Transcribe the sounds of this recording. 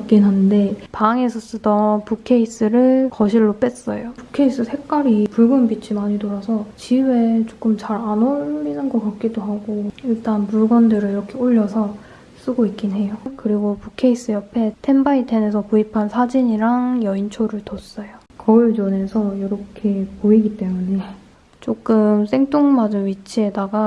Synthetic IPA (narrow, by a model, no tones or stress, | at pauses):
k͈inɦannde̞paŋe̞sʰʌs͈ɯdʌpukʰe̞is͈ɯɾɯɭkʌɕʰiɭːop͈es͈ʌ̰jopukʰe̞is͈ɯsʰe̞k͈aɾipuɭɡʌnbit͡ɕʰimaɲidoɾasʰʌt͡ɕiwe̞t͡ɕo̥k͈ɯmt͡ɕaɾanoinɯnɡʌk͈at̚k͈idoɦaɡoiɭt͈anpuɭɡʌndɯɾɯɭiɾʌkʰe̞oʎːʌsʰʌ | s͈ɯɡoik͈inɦe̞jokɯɾiɡopukʰe̞is͈ɯjʌpʰe̞tʰe̞nbaitʰenesʰʌkoipʰansʰad͡ʑiɲiɾaŋjʌint͡ɕʰoɾɯɭtʌs͈ʌjo | kʌiɭt͡ɕʌne̞sʰʌjoɾʌkʰe̞poiɡit͈e̞mune̞ | t͡ɕ͈ok͈ɯms͈ʰe̞ŋt͈oŋmad͡ʑɯnɥit͡ɕʰie̞daɡa